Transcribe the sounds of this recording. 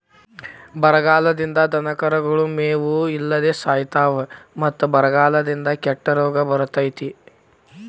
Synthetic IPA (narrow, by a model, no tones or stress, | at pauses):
bɐɾɐɡaːlɐd̪ind̪ɐd̪ɐnɐkɐɾɐɡɐɭumeːʋuilːɐd̪eːsaːjit̪aːʋɐmɐt̪ːubɐɾɐɡaːlɐd̪ind̪ɐkɛʈːɐɾɔːɡɐbɐɾɐt̪ɐjt̪i